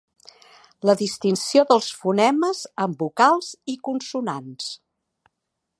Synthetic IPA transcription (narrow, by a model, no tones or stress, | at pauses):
ləðist̪insioðəlˠsfunɛməzəmbukalˠz̥ikunsunans